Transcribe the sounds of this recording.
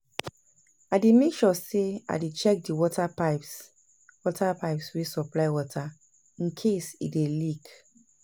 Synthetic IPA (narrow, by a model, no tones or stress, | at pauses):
aɪdemekʃɔsea̰det͡ʃɛk̚diwɔtʰapaɪps | wɔtʰapaɪpswisɔplaɪwɔtʰa | ĩnkʰesḭdelik